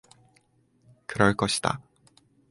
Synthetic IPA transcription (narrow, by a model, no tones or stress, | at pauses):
kɯɾʌɭk͈ʌɕʰi̥d̥a̰